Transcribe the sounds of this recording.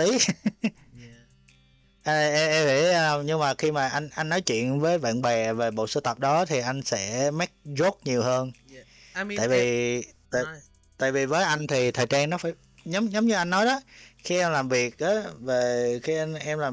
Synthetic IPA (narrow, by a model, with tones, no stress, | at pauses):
t̪i˨˦ | ʔʔɛ˧ʔi˧˩˨ə˧ɲɨ˧ŋmaː˨˩xi˧maː˨˩ʔa˧jŋʔa˧jŋ̟nɔ˨˦jt͡ɕwḭ˧˨ənvəː˨˦jva̰ː˧˨nɓɛ˨˩ve˨˩ɓo̰˧˨sɨ˧t̪ə˨˩p̚ɗɔ˨˦t̪ʰi˨˩ʔa˧jŋ̟sɛ̰˧˥mɛ˦˥k̚zo˦˥k̚ɲi˨˩əwhəː˧n˧ | a̰ː˧˨jvi˨˩˨t̪a̰ː˧˨ | t̪a̰ː˧˨jvi˨˩vəː˨˦jʔa˧jŋ̟t̪ʰi˨˩t̪ʰəː˨˩jt͡ɕaː˧ŋnɔ˨˦faː˧˩j | ɲə˨˦wŋ͡mɲə˨˦wŋ͡mɲɨ˧ʔa˧jŋ̟nɔ˨˦jɗɔ˨˦xi˧ʔɛ˧mlaː˨˩mvi˨˩ək̚ʔaː˨˦ve˨˩xi˧ʔʔɛ˧mlaː˨˩